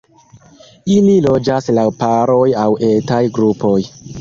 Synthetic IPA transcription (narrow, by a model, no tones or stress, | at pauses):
ililo̞d͡ʒaslawpaɾo̞jawʔetajɡɾupo̞j